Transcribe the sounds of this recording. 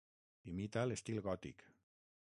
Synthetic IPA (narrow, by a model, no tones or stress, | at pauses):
imit̪alest̪ilɣɔt̪ḭk